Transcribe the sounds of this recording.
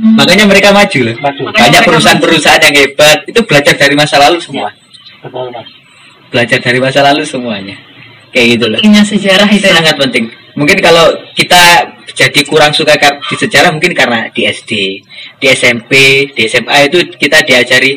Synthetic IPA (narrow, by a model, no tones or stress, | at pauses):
makaɲaməɾekamad͡ʒ̥ulahb̥aɲakpəɾusaanpəɾusaanjaŋeb̥at̪̚it̪ub̥əlad͡ʒard̥aɾimasalalusəmua | b̥əlad͡ʒardaɾimasalalusəmuaɲa | kajaɡit̪̬ulaɲasəd͡ʒaɾaɦit̪saŋat̪̚pənt̪ɪŋ | muŋkɪnkalokit̪ḁd͡ʒ̥adikuɾaŋsukakad̥isəd͡ʒaɾahmuŋkɪnkarənad̥iɛsd̥ed̥iɛsɛmped̥eɛsɛmait̪ukit̪adiad͡ʒaɾi